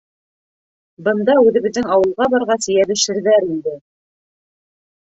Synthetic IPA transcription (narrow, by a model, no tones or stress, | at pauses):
bɤ̆nd̪ɑʉðɘ̆βɘ̆ðɘŋɑwɤ̆lˠʁɑbɑɾʁɑsɘ̆jæβɘ̆ʃɘ̆ɾðæɾind̪ɘ